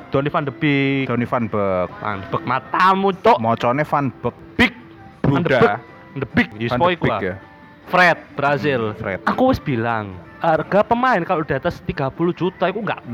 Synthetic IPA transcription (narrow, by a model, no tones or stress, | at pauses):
d̪̥ɔnifand̪əb̥ɪd̥̪ɔnifanbək̚fa̰nəb̥ək̚mat̪amut͡ʃɔʔmɔt͡ʃɔnefanb̥ək̚b̥ɪk̚ | b̥ɾuandədaə | nd̪əbɪk̚jispɔikuaja | fɾɛt̪̚b̥ɾazɪlfɾɛ̰t̪akuwɪsb̥ilaŋ | arɡ̥apəmaɪnkaloʔd̥a̤t̪asə̥t̪iɡ̥apulu̥d͡ʒ̥ut̪aikuŋɡa̰ʔ